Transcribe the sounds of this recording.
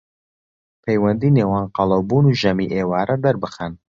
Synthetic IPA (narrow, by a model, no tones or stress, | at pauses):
pʰejwɐnd̪iːneːwaːnqɑlˠɐwbuːnuʒɐmiʔeːwaːɾɐd̪ɐɾbɨxɛn